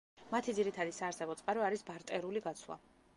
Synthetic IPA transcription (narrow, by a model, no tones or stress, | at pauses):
mat̪ʰid̪ziɾit̪ʰad̪isaːɾsɛbɔt̪sʼqʼaɾɔaɾisbaɾt̪ʼɛɾuliɡat̪sʰwa̰